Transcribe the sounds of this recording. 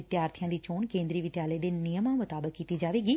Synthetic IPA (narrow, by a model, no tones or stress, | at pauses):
ɪt̪jaːɾt̪ʰijãːd̪iːt͡ʃoːɳkẽːnd̪ɾiːʋɪd̪jaːləeːd̪eːnɪjəmãːmʊt̪aːbəkːiːt̪iːd͡ʒaːʋeːɡiː